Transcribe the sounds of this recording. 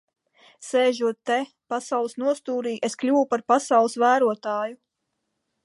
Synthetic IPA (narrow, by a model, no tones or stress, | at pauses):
sɛːʒuɔt̪ːe | pasawlˠɨsnuɔst̪uːɾiːʔesklʲuwupaɾpasawlˠɨsvæːɾuɔt̪ɑːju